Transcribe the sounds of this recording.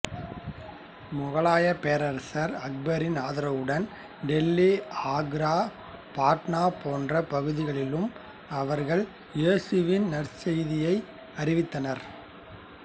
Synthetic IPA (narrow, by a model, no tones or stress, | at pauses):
mʊɣɐɭaːjɐpeːɾɐɾsɐɾɐk̚bɐɾɪnaːðɪɾɐʋɯɽɐn | ɖɛlːiaːɡɾaː | paːʈnaːpoːndrɐpɐɣɯðɪɣɐɭɪlɯm | ɐʋɐɾɣɐɭ | jeːsɯʋɪnnɐrsɛjðɪjɐɪ | ɐɾɪʋɪt̪ːɐnɐɾ